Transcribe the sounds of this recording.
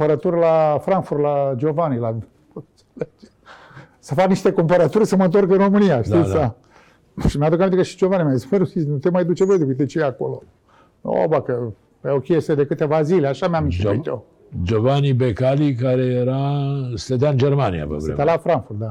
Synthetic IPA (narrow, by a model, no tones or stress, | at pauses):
pəɾət̪urʲlafɾaŋkfurt̪lad͡ʒo̞vanila | ose̥led͡ʒe̥ | səfakniʃt̪e̞kompəɾət̪urʲsəmənt̪o̞rkɨnro̞mɨnijaʃt̪isa | ʃimjad̪ukamẽnt̪ekəʃi̥d͡ʒo̞vanimʲasmenusinut̪emajd̪ut͡ʃevəd̪ukɨt̪et͡ʃeeako̞lo | o̰bakə | peokʲest̪ed̪e̞kɨt̪e̞vazileaʃameamiʃt̪o | d͡ʒovanibekalikaɾejeɾast̪əd̪aɨnd͡ʒeɾmanija̰və̰svɾḛt̪alafɾaŋkfurt̪d̪a